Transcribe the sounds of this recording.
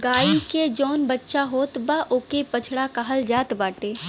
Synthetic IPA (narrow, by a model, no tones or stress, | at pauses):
ɡaːiked͡ʒɔːnbətːʃaɦoːt̪baʔoːkepɐt͡ʃʰɽakaɦəld͡ʒaːt̪baːʈeː